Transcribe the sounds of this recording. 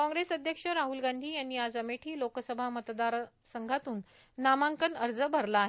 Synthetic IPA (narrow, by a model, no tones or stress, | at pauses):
kɔ̃ŋɡɾesəd̪ʱjəkʂəɾaɦulɡand̪ʱiːjanːiːad͡zəmeʈʰiːlokəsəbʱamət̪d̪aɾ | səŋɡʱat̪uːnː | amaŋkənəɾd͡zəbʱəɾlaːɦe